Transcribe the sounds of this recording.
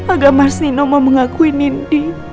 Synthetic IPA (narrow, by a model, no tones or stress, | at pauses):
aɡamasninɔmɔməŋakuinindi